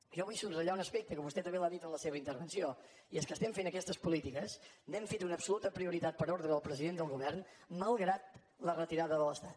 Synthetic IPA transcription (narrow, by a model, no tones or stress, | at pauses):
ʒɔβujsunrəʎaunəspek̚t̪əkombust̪ɛt̪əmbelaðit̪ənləseβəint̪əɾβənsio | iəskəst̪ɛmfenəkɛst̪əspulit̪ikəsndɛmfet̪unəpsulut̪əpɾiuɾit̪at̪̚pəɾoɾðɾəəlˠpɾəziðend̪əlˠɣuβ̞ɛrnməlˠɣɾat̪ | lərət̪iɾaðəðələst̪at̪